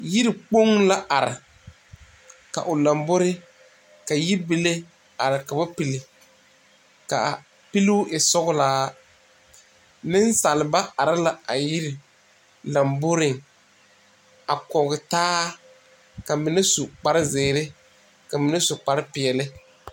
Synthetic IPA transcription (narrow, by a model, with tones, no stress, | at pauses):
ji˦ɾi˨k͡po˦ŋla˦ʔa˨ɾɪ̰˨ | ka̰˨ʔʊ˨la˨mbʊ˦ɾɪ˦ | ka˨ji˦bi˦le˦ | a˨ɾɪ˨ka˨ba˦pi˨lɪ˨ | ka˨ | pi˦lɪ˦ʊ˦ʔɪ˨sɔ˦ɣʊ˦laː˦ | nɪ˦n˦sa˨lɪ˨ba˦a˨ɾɪ˦la˨a˨ji˦ɾɪ˨ | la˨mbʊ˦ɾɪ˨ŋ | a˨kɔ˨ɣɪ˨taː˦ | ka˨mɪ˨nɪ˦su˨k͡pa˨ɾɪ˦zɪː˨ɾɪ˦ | ka˨mɪ˨nɪ˦sʊ˨k͡pa˨ɾɪ˦pɪ˨ɛ˨lɪ˦